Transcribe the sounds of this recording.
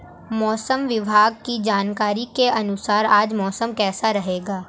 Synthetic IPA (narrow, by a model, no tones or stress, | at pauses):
mɔːsəmʋɪbʱaːɡkid͡ʒaːnkaːɾikeʔɐnʊsaːɾaːd͡ʒmɔːsəmkɛːsaɾɐɦeːɡaː